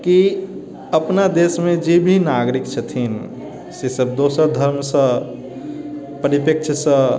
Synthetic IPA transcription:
ki | əpnad̪eːsmẽd͡ʒebʱinaːɡɾikt͡ʃʰət̪ʰin | sesəb̚d̪oːsəɾd̪ʱəɾmsə̃ | pəɾipek̚t͡ʃʰsə̃

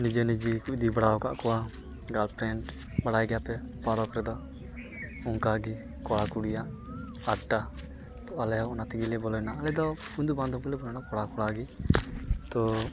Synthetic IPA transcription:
nid͡ʒənid͡ʒikuʔd̪ibaɽawka̰ʔkɔwa | ɡalpɾɛɳʈ | baɽajɡɛjapɛpaɾɔkɾɛd̪ɔ | uŋkaɡi | kɔɽakuɽijaʔ | aʈːa | t̪ɔalɛjawɔnat̪iɡilɛbɔlɔjnaːlɛd̪ɔ | und̪ubãnd̪ɔmkɔlɛbɔlɔjnakɔɽakɔɽaɡi | t̪ɔ

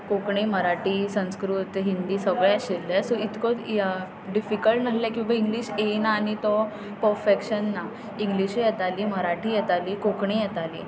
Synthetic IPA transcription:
kokɳiːməɾaʈiːsə̃nskɾut̪ɦind̪iːsəɡɭjaɕelːasɔit̪kɔ | ɖifikəlʈnaslãkĩʋaiŋɡliːɕenaːñit̪ɔ | pəɾfekɕənːa | iŋɡliɕjɛt̪aliːməɾaʈʰiːjɛt̪aliːkokɳijɛt̪alḭː

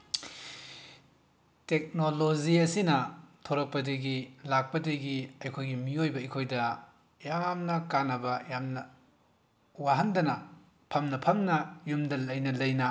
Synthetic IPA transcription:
tek̚noloziɐsinɐtʰoɾɐk̚pɐdeɡilak̚pɐdeɡiɐjkʰojɡimiojbɐɐjkʰojdɐ | jamnɐkanɐbɐjamnɐ | waɦɐndɐnɐ | pʰɐmnɐpʰɐmnɐjumdɐlɐjnɐlɐjnɐ

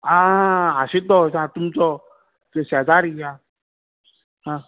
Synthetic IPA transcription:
aaɕit̪ɔsãt̪umt͡sɔ | sad͡zaɾia | ɦã

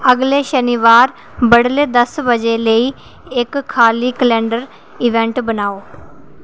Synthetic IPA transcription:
əɡleːʃəniːʋaːɾ | bəɽleːd̪əsbəd͡ʒeːləiː | ɪkʰːaːliːkəlɛ̃ːɳɖəɾ | ɪʋɛ̃ːɳʈbənaːoː

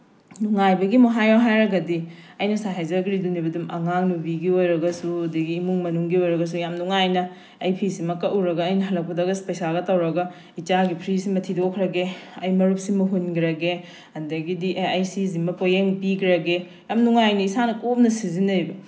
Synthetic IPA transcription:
nuŋajbɐɡimoɦajawɦajɾɐɡɐdi | ɐjnɐsaɦajzɐɡɾidunibɐdumʔɐ̰ŋaŋnubiɡiojɾɐɡɐsuɐdɐɡiːmuŋmɐnuŋɡiojɾɐɡɐs̬ujamnuŋajnɐː | jpʰisimɐkɐʔuɾɐɡɐːjnɐɦɐlɐk̚pɐdaɡɐspɐjsaɡɐtɐwɾɐɡɐ | it͡ʃaɡipʰɾisimɐtʰidokʰɾɐɡeɐjmɐɾup̚simɐɦunɡiɾɐɡe | ɐndɐɡidiʔajsizimɐpojeŋpiɡɾɐɡe | jamnuŋajnɐisanɐkop̚nɐsizinɐɾjbɐ

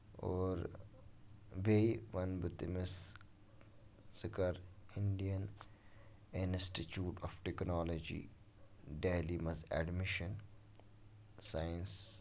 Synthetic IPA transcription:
oːɾ | beiʋɐnbət̪imes | sɪkɐɾɪɳɖijɐn | ɪnsʈit͡ʃuːʈɔfʈeknɔːlod͡ʒḭː | ɖeːlimɐsɛ̰ɖmɪʃən | saːjins

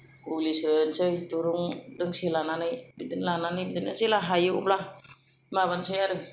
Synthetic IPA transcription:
kulisɾɯnsɯjtuɾuŋdɯŋselananɯjbidɯnlananɯjbidɯnazelaɦajɯṵpla | maβansɯjaɾɯ

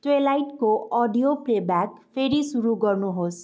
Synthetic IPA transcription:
t̪welajʈkoʔɔɖijoprebakpʰeɾisuɾuɡʌrnuɦos

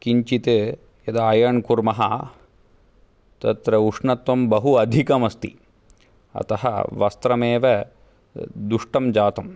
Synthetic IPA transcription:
kiɲt͡ʃit̪e | jɐd̪aːjɐɳkuɾmɐɦɐ | t̪ɐt̪ɾɐuʂɳɐt̪ʋɐmbɐɦuɐd̪ʱikɐmɐst̪ḭ | ɐ̰t̪ɐɦɐ̰ʋɐst̪ɾɐmeːʋɐ | d̪uʂʈɐmd͡ʒaːt̪ɐm

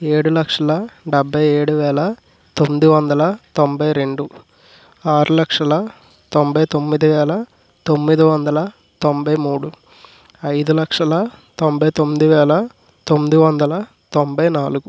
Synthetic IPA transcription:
eːɽulɐkʂɐlɐɖɛbʱːɐjeːɽuʋɛːlɐ | t̪o̞mːid̪iʋɐnd̪ɐlɐt̪ombɐjɾe̞ɳɖu | aːɾulɐkʂɐlɐ | t̪o̞mbʱɐjt̪o̞mːid̪iʋɛːlɐ | t̪o̞mːid̪iʋɐnd̪ɐlɐ | t̪ombɐjmuːɽu | ɐjd̪ulɐkʂɐlɐt̪o̞mbʱɐjt̪o̞mːid̪iʋɛːlɐ | t̪o̞mːid̪iʋɐnd̪ɐlɐ | t̪o̞mbɐjnaːluɡu

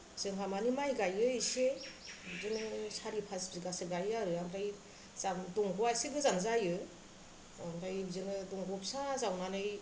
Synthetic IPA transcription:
zɯŋkʰamanimajɡajɯisebzɯnɯsaɾipʰasbziɡasɯɡajaɾɯamdaj | zamdɔŋɡɔasibɯzaŋzajɯ | amdajbzɯnɯdɔŋɡɔpsazawnanɯj

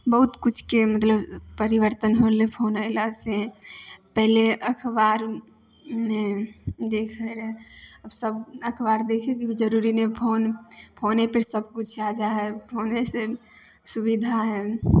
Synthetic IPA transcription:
bəɦut̪kut͡ʃʰkemət̪ləbpəɾiʋəɾt̪ənɦolepʰonəɪlase | pɛɦleʔəkʰbaɾ | med̪ekʰəɾɛəbsəbəkʰbaɾd̪ekʰekibid͡ʒəɾuɾinepʰonpʰoːnepəɾsəb̚kut͡ʃʰad͡ʒaɦɛpʰoːnese | subid̪ʱaɦɛ

